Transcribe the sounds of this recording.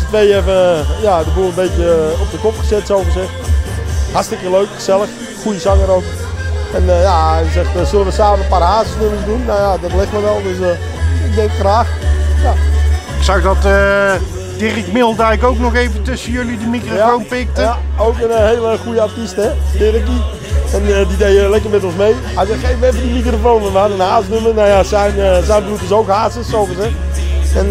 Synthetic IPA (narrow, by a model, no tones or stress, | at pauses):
tʋejɛfəjadəbulˠənbejtjəɔp̚dəkɔpχəzɛtsowfərsɪx | hartstɪkəløɥkχəzɛlˠəx | χujəzɑŋəɾowkɛnjajəsɛxtsølənʋəsaːməparaːzəsnøməsdunmajadɔtlɪxtməʋɛlˠdøs | ɪɡ̚dɛŋkχraːxjaɪksawdɔtə | d̥ɪrɪkmɪlˠdajkowknɔxejvətɵsəjɵlidəmikrojafownpɪk̚təaowkənɦeːləχujəaɹtistɛdɪɾəki | ɛnədidejəlɛkərmɛtɔnsmej | ajzəχeːvəʋɛvədimikrofonənʋəhadənhaːzsnømərnawjasɛjnəsɛjnbrutəs̬owkɦaːzəssovəsɛɛn